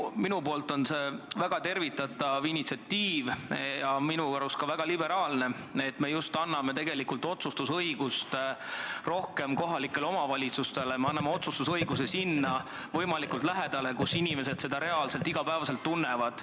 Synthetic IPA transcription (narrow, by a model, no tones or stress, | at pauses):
minupo̞ːlt̪ˑo̞nse̞væɡ̥ɑt̪e̞rvit̪ːˑɑt̪ˑɑvinit̪siɑt̪ːiːvjɑminuɑɾuskɑvæɡ̥ɑlibe̞ɾɑːlne̞ | et̪me̞just̪ɑnːɑme̞t̪e̞ɡe̞likult̪o̞t̪sust̪usɤjɡ̥ust̪ | ro̞hke̞mko̞ɦɑlikːˑe̞lo̞mɑvɑlʲit̪sust̪e̞lemeɑnːɑmeo̞t̪sust̪usɤjɡus̬e̞sinːɑ | vɤ̞jmɑlikult̪læɦed̪̥ɑle̞kusinime̞s̬e̞d̪̥se̞d̪ɑɾe̞ɑlse̞lt̪iɡ̥ɑpæevɑse̞lt̪ːunːevɑd̪̥